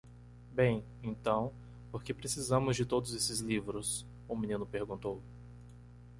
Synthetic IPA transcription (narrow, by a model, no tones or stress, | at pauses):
bẽj̃ | ẽnt̪ɐ̃w̃ | poɾkepɾesizɐ̃mʊzd͡ʒɪt̪od̪ʊzesɪzlivɾʊs | ʊmĩnĩnʊpeɾɡũnt̪ow